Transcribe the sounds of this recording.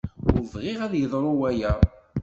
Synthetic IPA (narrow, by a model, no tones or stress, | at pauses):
ʊɾvʁɪʁæðjəðˤɾˤʊwæjæ